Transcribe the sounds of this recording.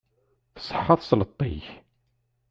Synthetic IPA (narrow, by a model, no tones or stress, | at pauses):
θə̥sˤəħːɑðˤslət̪ˤːḭç